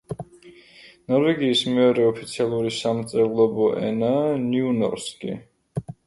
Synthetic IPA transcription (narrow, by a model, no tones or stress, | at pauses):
nɔɾvɛɡiːsmɛɔɾɛɔpʰit̪sʰialˠuɾisamt̪sʼɛvulˠɔbɔʔɛ̰naniunɔ̰ɾskʼḭ